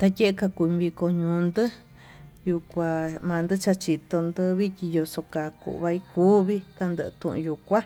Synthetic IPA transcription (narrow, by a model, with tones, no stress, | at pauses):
t̪a˧je˦ʔe˧ka˧ku˧ĩ˧βi˧ko˧ɲũː˧nd̪ɨ˦ | ju˧kʷa˧mãː˧nd̪ɨ˦t͡ʃa˧t͡ʃi˧˨t̪o˧nd̪ɨ˧βi˦tʲi˧jo˧so˧ka˨kṵ˧ʔβa˧i˧kuː˦βi˦ka˧nd̪ɨ˧˨˧t̪ṵ̃˧ʔṵ̃˧ju˨kʷa˦